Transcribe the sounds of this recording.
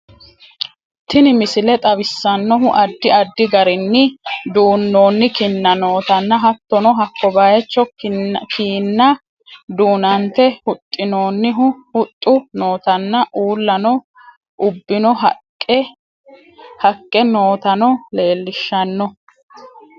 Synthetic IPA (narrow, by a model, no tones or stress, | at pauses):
t̪ɪnɪmɪsɪlɛt̪ʼɐbɪsːɐnːɔɦʊʔɐd̪ːɪɐd̪ːɪɡɐɾɪnːɪd̪uːnːo̞ːnːɪkɪnːɐno̞ːt̪ɐnːɐɦɐt̪ːɔnɔɦɐkːɔbaːjɛt͡ʃːɔkkʰiːnːɐ | d̪uːnɐnt̪ɛhʊt̪ʼːɪno̞ːnːɪɦʊhʊt̪ʼːʊnoːt̪ɐnːɐʔuːlːɐnɔ | ʔʊbːɪnɔɦkː | hɐkʼːɛno̞ːt̪ɐnɔle̞ːlːɪʃːɐnːɔ